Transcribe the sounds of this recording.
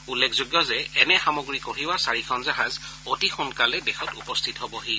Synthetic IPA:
ulːekʰzoɡjɔzɛɛnɛxamoɡɹikoɦiwasaɹikʰɔnzaɦazotixunkalɛdɛxɔtupɔstʰitɦobɔɦi

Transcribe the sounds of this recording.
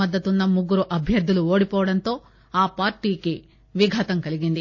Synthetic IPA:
ɐd̪ːɐt̪unːɐmuɡːuɾuʔɐbʱjɐɾd̪ːuluoːɽipɔːʋɐɽɐnt̪o̞ː | aːpaːɾʈiːki | ʋiɡʱɐt̪ɐŋkɐliɡind̪i

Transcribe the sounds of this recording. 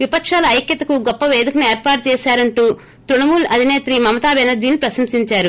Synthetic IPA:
ʋipɐkʂaːlɐɐjkjɐt̪ɐkuɡɔpːɐʋeːd̪ikɐnieːɾpaːɾʈ̚t͡ʃɛːʃaːɾɐɳʈuː | t̪ɾuɳɐmuːlɐd̪ʱineːt̪ɾimɐmɐt̪aːbɛnɐd͡ʒiːnipɾɐsɐmsiɲt͡ʃaːɾu

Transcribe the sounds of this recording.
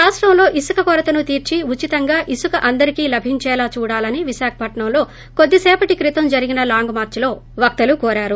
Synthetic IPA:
ɾaːʂʈɾɐmlo̞ːʔisukɐkɔɾɐt̪ɐnut̪iːɾt͡ʃiut͡ʃit̪ɐŋɡaːʔisukɐʔɐnd̪ɐɾikiːlɐbʱiɲt͡ʃɛːlaːt͡ʃuːɽaːlɐniʋiʃaːkʰɐ̥pɐʈɳɐmlo̞ː | kod̪ːisɛːpɐʈikɾit̪ɐmd͡ʒɐɾiɡinɐlaːŋɡmaːɾt͡ʃɐlo̞ː | ʋɐk̚t̪ɐlukɔːɾaːɾu

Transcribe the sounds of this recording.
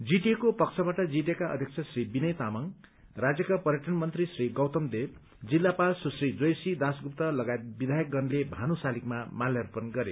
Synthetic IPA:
d͡ziʈekopʌksʰʌbaʈʌd͡zit̪ekaʔʌ̰d̪ʱjʌk̚t͡sʰʌsribinʌjt̪amʌŋ | rad͡zjʌkapʌɾjʌʈʰʌnmʌnt̪risriɡʌwt̪ʌmd̪eb | d͡zilːapalsusrid͡zojsid̪asɡup̚t̪ʌlʌɡajet̪̚bid̪ʱajʌk̚ɡʌnlebʱanusalikmamaljʌrpʌnɡʌɾe

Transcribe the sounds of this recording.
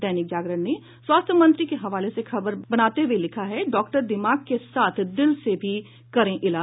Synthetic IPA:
ɛːnɪk̚d͡ʒaːɡɾəni | swaːst̪ʰjəmɐ̃nt̪ɾikeɦɐʋaːlesexɐbəɾbɐnaːt̪eɦʋelɪkʰaɦɛɖɔːkʈəɾd̪ɪmaːɡ̚kesaːt̪ʰd̪ɪlsebʱi | kɐɾẽʔɪlaː

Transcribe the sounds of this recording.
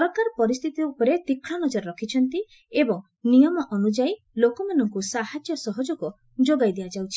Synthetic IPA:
bakaɾpɔɾist̪ʰit̪iupɔɾet̪ikʰːɭanɔd͡ʒɔɾɔɾɔkʰit͡ʃʰɔnt̪i | ebɔŋ | nijɔmɔʔɔnud͡ʒai | lokɔmanɔŋkusaɦad͡ʒjɔsɔɦɔd͡ʒɔku | d͡ʒoɡajd̪ead͡ʒawt͡ʃʰi̥

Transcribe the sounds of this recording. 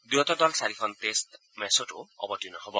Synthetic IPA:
dujɔtɔdɔlsaɾipʰɔntest | mɛsɔtʊ̰ɔ̰bɔtijunɔɦobɔ

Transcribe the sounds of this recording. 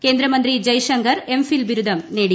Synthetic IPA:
keːnd̪ɾɐmɐnd̪ɾid͡ʒɐjʂɐŋkɐɾemfilbiɾud̪ɐmneːɽi

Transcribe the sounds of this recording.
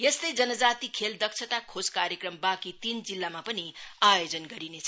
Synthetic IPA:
jʌst̪ʌjd͡zʌnʌd͡zat̪ikʰeld̪ʌksʰʌt̪akʰoskaɾjekrʌmbakit̪ind͡zilːamapʌniajod͡zʌnɡʌɾinet͡sʰʌ

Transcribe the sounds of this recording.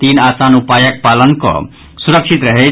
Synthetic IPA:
t̪inasanupajək̚palənkɔ̰ | suɾəksʰit̪ɾəɦe

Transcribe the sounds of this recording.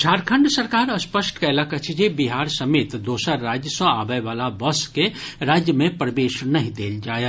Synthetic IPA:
d͡ʒʰʱaːɾkʰə̃ɳɖsɐɾkaːɾɐspəsʈkɛːlakɐt͡ʃʰid͡ʒebiɦaːɾsɐmeːt̪d̪oːsəɾɾaːd͡ʒjəsə̃aːbəeʋaːlabɐskeɾaːd͡ʒjəmẽpɾəʋeːʃnɐɦĩd̪eːld͡ʒaːe

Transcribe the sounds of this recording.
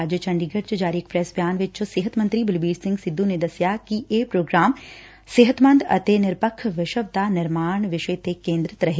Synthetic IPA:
d͡ʒjət͡ʃɐ̃ɳɖiːɡəʈt͡ʃd͡ʒaːɾiek̚pɾɛsbjaːnʋɪt͡ʃseːɦət̪mɐ̃nt̪ɾiːbɪlbiːɾsɪ̃ŋɡsɪd̪ʱːũned̪ɐsjakiʔeːpɾoːɡɾaːm | seːɦət̪mɐ̃nd̪ɐ̰t̪eːnɪɾpəkʰːʋɪʃəb̚d̪aːnɪɾmaːɳ̃ʋɪʃəjt̪eːkːẽːnd̪ɾɪt̪ɾɐɦeː

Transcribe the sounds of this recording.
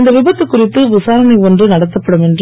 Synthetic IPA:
nd̪ɐʋɪbɐt̪ːɯkːʊrɪt̪ːɯʋɪsaːɾɐnɐɪɔndrɯnɐɽɐt̪ːɐpːɐɽɯmɛndr

